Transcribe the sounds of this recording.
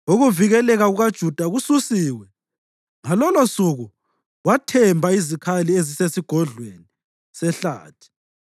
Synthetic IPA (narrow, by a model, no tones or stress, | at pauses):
uɣuviɣɛlɛɣaɣuɣad̥ʒ̥ʱud̥ʱaɣususiːwɛ | ŋalɔlosuɣu | watʰɛmbʱaizikʰaliezisesiɡ̥ʱɔɮweni | sɛɬa̰ːtʰi̥